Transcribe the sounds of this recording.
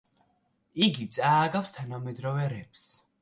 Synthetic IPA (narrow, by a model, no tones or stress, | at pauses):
iɡit̪sʼaːɡafst̪ʰanamɛd̪ɾɔvɛɾɛps